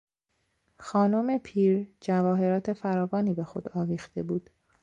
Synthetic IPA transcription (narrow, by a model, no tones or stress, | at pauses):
xɒːno̞me̞pʰiːɾd͡ʒævɒːɦe̞ɾɒːt̪ʰe̞fæɾɒːvɒːniːbe̞xo̞̰d̪ɒːviːxt̪e̞buːd̪̥